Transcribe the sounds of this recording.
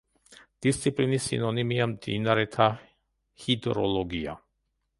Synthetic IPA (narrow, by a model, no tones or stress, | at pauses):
d̪̥ist̪sʰipʼlinisːḭnɔnimiamd̪ḭnaɾɛt̪ʰa | hid̪ɾɔlˠɔɡia̰